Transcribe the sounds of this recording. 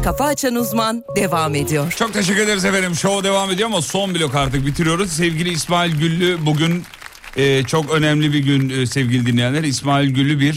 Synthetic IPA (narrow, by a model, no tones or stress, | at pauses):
kʰafaːt͡ʃʰanuzmand̪evamed̪ijɔɾ̥t͡ʃʰo̞k̚t̪ʰeʃ̬ɛkcːyɾed̪eɾizeveɾimʃod̪e̞vamed̪ioamaso̞nbilʲo̞kaɾt̪ɯk̚bit̪ʰiɾijo̞ɾuzsɛvɟilʲiːsmaːilʲɟylʲːybuɟyn | ɛːt͡ʃʰo̞kø̞nɛmlʲibiɟynsɛvɟilʲid̪inʲejænlʲæɾismaːilʲɟylʲːybiɾ